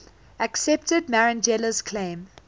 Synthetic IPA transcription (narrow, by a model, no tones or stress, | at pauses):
əksɛp̚tədmaɹə̃nd͡ʒɛləz̥kʰl̥ẽɪ̃m